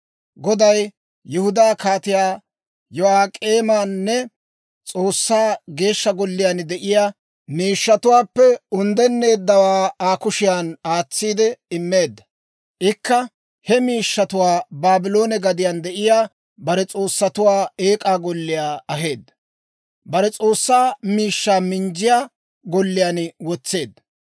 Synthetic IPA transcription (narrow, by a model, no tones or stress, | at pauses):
ɡɔd̪ɐj | jɪhʊd̪aːkaːt̪ɪjaː | jɔaːkʼeːmaːnːɛ | t͡sʼo̞ːsːaːɡe̞ːʃːɐɡɔlːɪjaːnd̪ɛʔɪjaː | miːʃːɐt̪ʊwaːpːɛʊnd̪ɛnːe̞ːd̪ːɐwaːaːkʊʃɪjaːnaːt͡sːiːd̪ɛɪmːeːd̪ːɐ̥ | ʔɪkːɐ | hɛmiːʃːɐt̪ʊwaːbaːbɪlo̞ːnɛɡɐd̪ɪjand̪ɛʔɪjaː | bɐɾɛt͡sʼo̞ːsːɐt̪ʊwaːe̞ːkʼaːɡɔlːɪjaːɐɦe̞ːd̪ːɐ | bɐɾɛt͡sʼo̞ːsːaːmiːʃːaːmɪnd͡ʒɪjaː | ɡɔlːɪjaːnwɔt͡sːe̞ːd̪ːɐ